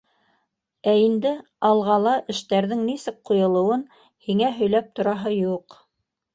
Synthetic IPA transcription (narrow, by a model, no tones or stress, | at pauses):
æind̪ɘ | ɑlˠʁɑlˠɑʔɘ̆ʃt̪æɾðɘŋnisɘk̚qŏjŏlˠɤ̆wɤn | hiŋæɦɵ̆jlæp̚t̪ŏɾɑɦɤjuq